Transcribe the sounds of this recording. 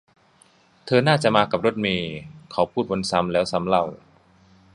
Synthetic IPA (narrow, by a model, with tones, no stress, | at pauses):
t̪ʰɤː˧naː˥˩t͡ɕa˨˩ʔmaː˧ka˨˩p̚ɾo˦˥˩t̪̚miː˧kʰa˨˩wpʰuː˥˩t̪̚bo˧nsa˦˥mlɛː˦˥wsa˦˥mla˥˩w